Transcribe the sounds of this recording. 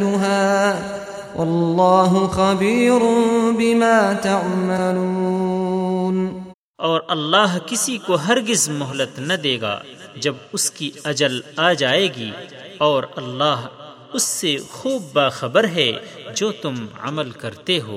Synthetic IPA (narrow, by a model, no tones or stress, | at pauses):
lʊɦaː | wʔɑllːɑːɦʊxabiːɾʊnbɪmaːt̪aʕmaluː | n | ɔːɾɐlːaːɦkɪsikoɦɐɾɡɪzmʊɦlət̪nɐd̪eːɡa̰ː | d͡ʒɐbʊskiɐd͡ʒəlaːd͡ʒaːeːɡiː | ɔːɾɐlːaːɦ | ʊsːexuːb̚ːaːxɐbəɾɦɛd͡ʒoːt̪ʊmɐ̰məlkɐɾt̪eɦo̰ː